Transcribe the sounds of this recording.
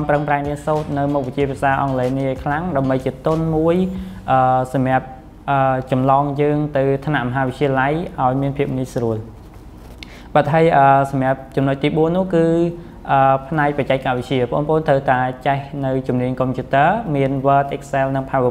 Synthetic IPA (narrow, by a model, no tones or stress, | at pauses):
mprəŋpraɛŋmiənsoːt̪̚nɨwmuk̚ʋɨ̆t͡ɕiəpʰiəsaːʔɑŋleːnikʰlaŋɗaəmɓəjt͡ɕiət̪ʊnmuəjʔəːsɑm̆əp̚ | ʔəːt͡ɕɑmlɑːŋjəːŋt̪ɨwt̪ʰnaʔmɔɦaːʋɨt͡ɕiəlajʔaɔjmiənpʰiəp̚nisruəl | ɓaːt̪̚ɦaəjʔəːsɑmjăəp̚t͡ɕumnoc̚t̪iːɓuənːʊ̆əhkɨː | ʔəːpʰnaɛk̚prɑt͡ɕaɛk̚kːaʋɨc̚t͡ɕiəpə̆ʔo̰ːnpə̰̆ʔoːnt̪ʰrəwt̪aɛt͡ɕɛhnɨwt͡ɕumniəɲkompʰjuːt̪əːəmiənʋəːt̪̚ʔɛk̚selnɨŋpʰaʋ